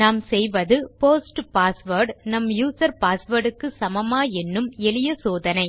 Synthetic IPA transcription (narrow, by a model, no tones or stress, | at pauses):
naːmsɛjʋɐðɯpoːsʈpaːsʋɐɾɖnɐmjuːsɐɾpaːsʋɐɾɽɯkːɯsɐmɐmaːɛnːɯmɛlɪjɐsoːðɐnɐɪ